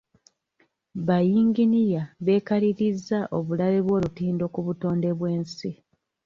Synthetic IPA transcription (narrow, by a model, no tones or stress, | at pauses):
βajiːŋɡinijaβe̞ːkaliɾizːaʔo̞βulaβe̞βwo̞ːlutiːndo̞kuβuto̞ːnde̞βwe̞ːnsi